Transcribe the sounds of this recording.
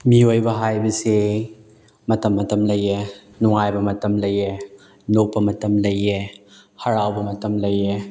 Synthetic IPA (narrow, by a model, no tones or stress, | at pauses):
miojbɐɦajbɐse | mɐtɐmːɐtɐmlɐje | nuŋajbɐmɐtɐmlɐje | nok̚pɐmɐtɐmlɐjehɐɾawbɐmɐtɐmlɐje